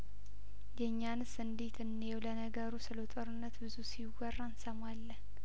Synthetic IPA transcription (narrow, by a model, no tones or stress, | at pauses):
jɛɲːanɨsɨnd̪it̪ʰɨnːewlənəɡəɾusɨlət̪ʼoɾɨnːət̪bɨzusiwɔrːansəmalːən